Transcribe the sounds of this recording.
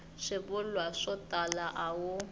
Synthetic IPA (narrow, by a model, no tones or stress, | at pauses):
ʂɪbʊlwaʂɔtʼalaʔawʊ